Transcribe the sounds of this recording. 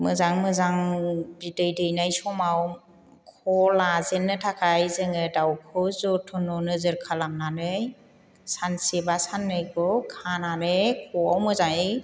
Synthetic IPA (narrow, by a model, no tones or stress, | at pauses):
mɯzaŋmɯzaŋbidɯjdɯjnajsɔmaw | kʰɔlazenːɯtʰakʰajzɯŋɯdawkʰɯzɔtʰɔnɔnɯzɯɾkʰalamnanɯj | sansibasanːɯjkʰɔkʰananɯjkʰɔawmɯzaŋi